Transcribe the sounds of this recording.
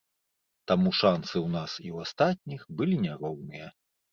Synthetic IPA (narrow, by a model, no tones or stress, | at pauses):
t̪amuʂansɨwnasiwast̪at̪̚ʲnʲixbɨlʲinʲaɾɔwnɨjɐ